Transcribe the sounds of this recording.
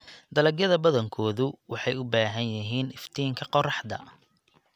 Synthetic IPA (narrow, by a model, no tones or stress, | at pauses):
d̪ɐlɐɡjɐðɐbɐðɐŋkʰɔːðʊwɑħɑjʊbaːɦɐnjɐɦiːnɪft̪ʰiːŋkʰɐqɔrɑħd̪ɐ̰